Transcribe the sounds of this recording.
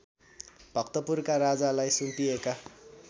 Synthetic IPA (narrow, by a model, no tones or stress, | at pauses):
bʱʌkt̪ʌpurkaɾad͡zalajsumpieka